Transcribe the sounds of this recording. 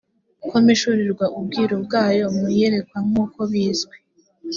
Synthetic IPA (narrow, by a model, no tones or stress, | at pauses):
kʰomiʃuɾiɾɡwaʔub̚ɡiːɾobɡaːjo̞mujeɾe̞kwaŋuːko̞βiːzɡwe